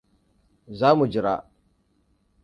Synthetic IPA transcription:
zaː˦mu˨d͡ʒɪ˨ɾa˦ʔ

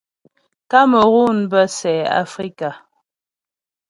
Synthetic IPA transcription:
ka˦mə˨ɣu˦˨n˨bə˦sɛː˨a̰˨fɾi˦ka˨

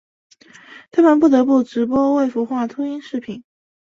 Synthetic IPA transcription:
t̪ʰa˥mə˧np̬u˥˩t̪ɤ˧˥p̬u˥˩ʈ͡ʂɻ̩˧˥pwɔ˥we˥˩ɪfu˧˥xwa˥˩t̪ʰu˥i˥nʂɻ̩˥˩pʰi˨˩˦n

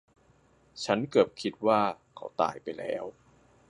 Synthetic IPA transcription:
t͡ɕʰa˦˥nkɤ˨˩p̚kʰi˦˥t̪̚waː˥˩ | kʰa̰˦˥wt̪a̰ː˨˩jpa˧jlɛ̰ː˦˥w

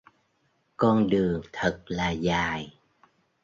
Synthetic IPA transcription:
kɔ˧nɗɨ˨˩əŋt̪ʰə˨˩t̚laː˨˩zaː˨˩j

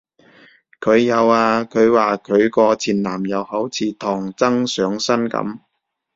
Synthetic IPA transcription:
kʰɵ˨˧ɥjɐ˨˧waː˧kʰɵ˨˧ɥwaː˨kʰɵ˨˧ɥkɔː˧t͡sʰiː˨˩nlaː˨˩mjɐ˨˧whɐ˨˥wt͡sʰiː˨˧t̪ʰɔː˨˩ŋt͡sɐ˥ŋsœː˨˧ŋsɐ˥nkɐ̰˧˥m

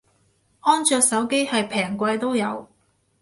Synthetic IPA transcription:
ʔɔː˥nt͡ʃœː˧k̚sɐ˨˥wke˥jhɐ˨jpʰɛː˨˩ŋkʷɐ˧jt̪o˥wjɐ˨˧w

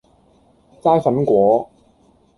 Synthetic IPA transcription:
t͡saː˥jfɐ˨˥nkʷɔː˨˥

